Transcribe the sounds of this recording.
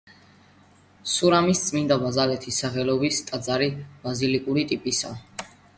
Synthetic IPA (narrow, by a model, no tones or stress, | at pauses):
suɾamist̪sʼmind̪abazalɛt̪ʰisaχɛlɔbist̪ʼad̪zaɾib̥azilikʼuɾit̪ʼipʼisa̰